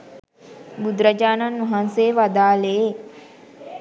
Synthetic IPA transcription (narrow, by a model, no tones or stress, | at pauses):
bud̪ɾad͡ʒaːnanʋuɦanseːʋad̪aːlee